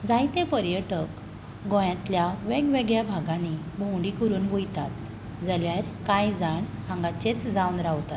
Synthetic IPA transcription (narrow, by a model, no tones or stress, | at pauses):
d͡zajt̪epəɾjəʈək | ɡɔ̃jãt̪ljaʋeɡʋeɡɭjabʱaɡãni | bʱõwɳɖikəɾuːnbujt̪at̪ | d͡zəljaɾkãjd͡zaɳ | hãŋɡat͡ɕet͡sd͡zawnɾawt̪at̪